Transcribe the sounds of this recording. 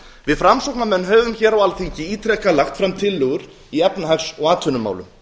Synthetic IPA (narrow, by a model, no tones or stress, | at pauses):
vɪðfɾamsɔwk̚namɛnːɦœːvʏmçɛːɾawalθiɲcɪiːt̪ʰɾɛkalaxt̪fɾamt̪ʰɪlːʏɣʏɾ̥ | iɛpnaɦaksɔɣaːt̪ʰœnʏma̰ːwlʏm